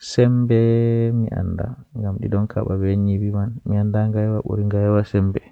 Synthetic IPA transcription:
sɛmbɛmiʔa̰nda̰ŋɡamɗḭɗɔnkʰa̰ɓabɛɲibimanmiandaŋɡajwaɓṵɾiŋɡajwasɛmbɛ

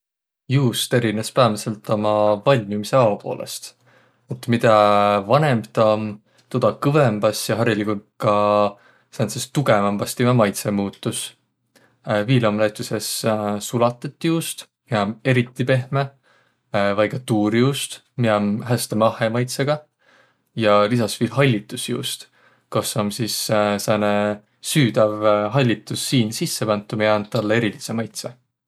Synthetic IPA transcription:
juːst̪e̞ɾinespæːmɑse̞lt̪ːˑo̞mɑvɑlʲmjumise̞ɑwɑpo̞̰ːlʔe̞̰st̪ | et̪ːˑmid̪ɑvɑne̞mpt̪ɑm | t̪od̪̥ɑkɤvemb̥ɑsjɑɦɑrjɑlikukːɑ | sensest̪uɡe̞mɑmb̥ɑst̪imɑmɑjt̪se̞muːt̪ːˑus | viːlomlet̪ːˑuse̞ssulɑt̪ːˑet̪ːjuːst̪ | miɑme̞ɾit̪ːˑipe̞hme | vɑjɡɑt̪uːɾjuːst̪ | miɑmɦæst̪emɑhe̞mɑjt̪seɡ̥ɑ | jɑlisɑsviːlɦɑlʲːit̪ːˑusjṵːst̪ | kosomsissene | syːd̪ɑvɦɑlʲːit̪ːˑusːiːnsisːepænt̪ːˑumejɑnt̪ːɑlːee̞ɾilise̞mɑjt̪se

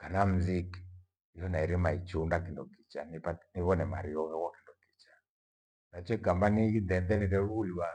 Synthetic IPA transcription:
kanam̩zik | jɔnaiɾemait͡ʃundakindɔ̰ki̥t͡ʃanpaniβɔnɛmaɾiɔɣɛɣɔkendɔki̥t͡ʃḁ | nat͡ʃɔikambaniindɛnd̪ɛniɾɛɾuuliwa

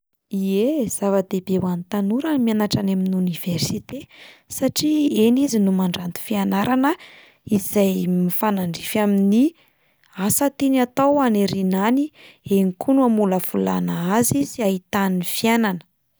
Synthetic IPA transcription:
iez̥avad̪ebewanit̪anuɾamianaʈ͡ʂanaminuniv̥ersit̪esaʈ͡ʂienizinumaɳɖ͡ʐant̪u̥fianaɾanə | iz̥ajmifanaɳɖ͡ʐifamini | asat̪inat̪awaneɾinanieŋikʰunuamuləv̥ula̰naaziz̥iaɦit̪anifiananə̥

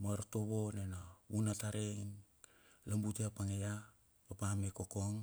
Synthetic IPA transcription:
maɾto̞βo̞nenaunataɾein | lambuteapaŋeja | papamekokoŋ

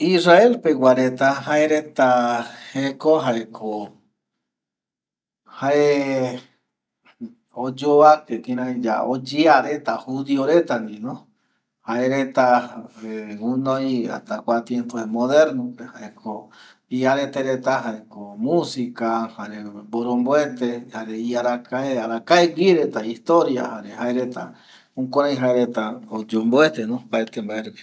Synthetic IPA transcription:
israelpewʷaɾet̪aɦaeɾet̪ahekoɦaɾekʰo | hae | od͡ʒoakekiɾãid͡ʒa̰od͡ʒiaɾet̪ahuðioɾet̪anĩnõ | haeɾet̪aeunoja̰t̪akʷat̪jempoemoðeɾnõpehaekʰo | iaɾet̪eɾet̪aɦaekomũsikahaɾeboɾomboet̪ehaɾeiaɾakaeaɾakaeɡiɾet̪aiht̪oɾja̰haɾehaeɾet̪a̰ | ũkʷoɾajɦaeɾet̪aod͡ʒomboet̪enõpaet̪embaeɾ

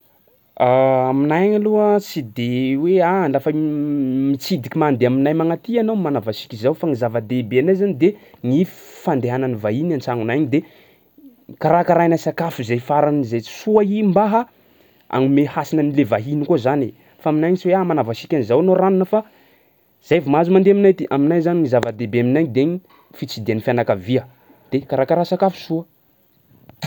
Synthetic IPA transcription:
aaminajɲaluəsid̪ewealafə | mit͡sid̪ikʲimand̪eaminajmaŋat̪ianowmanavasi̥kʲizawfaŋizavad̪ebeanajzanid̪e | ŋifi̥fand̪eɦananivaɦinant͡saŋunajɲid̪e | kaɾakaɾajnasakafuzajfaɾanizajsuəimbaɦə | a̰ŋimehasinənilevaɦinikozani | faːminajŋisuweamanavasikʲanizawanoɾaninəfa | z̥ajvumazumand̪eminajt̪iʔaminajzaniŋizavad̪ebeaminajɲd̪eɲi | fit͡sid̪eanifjanakaviə | d̪̥ekaɾakaɾasakafu̥suə

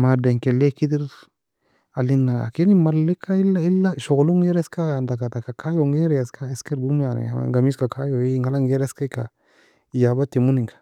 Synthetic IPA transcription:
madeŋkɛlekid̪iɾ | alinːaa̰kenimalːikʰːailːailːaʃɔɡluŋɛɾɛskajand̪akatakakʰajoŋɡeɾɛskʰaɛskeɾbumjan̰a̰ŋɡamiskakʰajoŋɡalaŋɡeɾɛskaka | jabat̪imuniŋkḁ

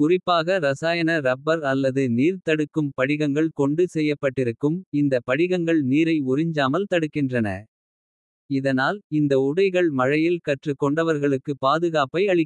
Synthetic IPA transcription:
kʊrɪpːaːɣɐɾɐsaːjɐnɐɾɐbːɐɾɐlːɐðɯniːɾt̪ɐɽɯkːɯmpɐɽɪɣɐŋɡɐɭkɔɳɖɯsɛjːɐpːɐʈːɪɾɯkːɯmɪnd̪ɐpɐɽɪɣɐŋɡɐɭniːɾɐɪʊɾɪɲd͡ʒaːmɐlt̪ɐɽɯkːɪndrɐnɐ̰ | ɪðɐnaːlɪnd̪ɐʊɽɐɪɣɐɭmɐɻɐjɪlkɐʈrɯkːɔɳɖɐʋɐɾɣɐɭɯkːɯpaːðɯɣaːpɐɪɐɭɪkː

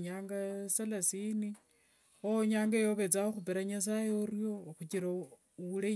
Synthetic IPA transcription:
ɲaːŋɡasalasini | oɲaːŋɡajo̞βet͡saoxupeɾaɲas̬ajeoɾjo̞xut͡ʃiɾa | ule

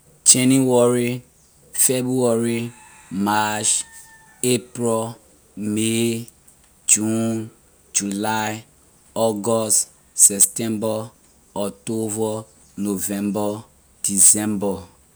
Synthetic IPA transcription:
t͡ʃɛniwɔɾi | febuaɾi | mat͡ʃ | epɾɔ | me | d͡ʒun | d͡ʒulaj | ɔɡɔst | sɛptɛ̃mbɔ | ɔtovɔ | novɛ̃mbɔ | d̥isɛ̃mbɔ

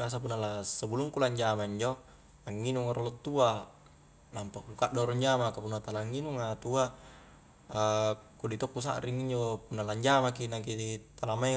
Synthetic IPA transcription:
as̬ap̬unːalasəbuluŋkulaɲd͡ʒamaiɲd͡ʒo | aŋːinuŋaɾolot̪ːua | nampakukaʔdoɾɔɲd͡ʒamakapunːat̪alaŋːinuŋat̪ua | kudit̪okːus̬a̰ʔɾiŋiɲd͡ʒopunːalaɲd͡ʒamak̬inakiit̪alamai

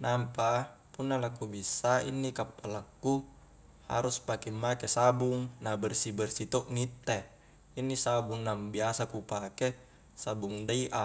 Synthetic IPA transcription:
nampapunːalakubisːainːikapːalakːu | ha̰ɾuspakimːakesabuŋnabɛrsibɛrsit̪oʔnit̪ːe | inːisabuŋnambiasakupake | sabuŋdaiʔa

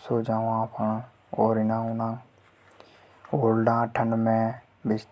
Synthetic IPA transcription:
soːd͡ʒaːõãːpʰə̃ | ɔːɾɪnãːunãː | oːlɖãːʈʰənmẽ | bɪst̪

